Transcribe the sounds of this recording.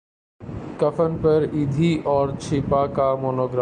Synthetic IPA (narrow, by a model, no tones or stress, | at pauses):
kɐfənɪ̆pəɾiːd̪ʱiʔɔːɾt͡ʃʰɪːpakamoːnoːɡɾa